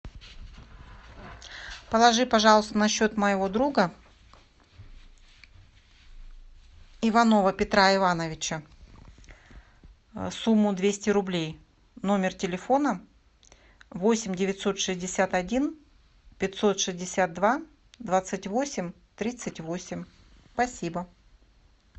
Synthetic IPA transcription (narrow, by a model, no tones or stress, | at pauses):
pəlˠɐʐɨpɐʐɑlˠəst̪ənɐɕːo̞t̪məjɪvo̞d̪ɾuɡə | ɪvɐno̞vəpʲɪt̪ɾaɪvanəvʲɪt͡ɕə | sumːʊd̪vʲesʲtʲɪɾʊblʲej | no̞mʲɪrtʲɪlʲɪfo̞nə | vo̞sʲɪmʲdʲɪvʲɪt̪ʲso̞t̪ʂɨzʲdʲɪsʲat̪ɐdʲin | pʲɪtʲso̞t̪ʂɨzʲdʲɪsʲat̪̚d̪va | d̪vat̪sɨtʲvo̞sʲɪmʲ | t̪ɾʲit̪sɨtʲvo̞sʲɪmʲ | spɐsʲibə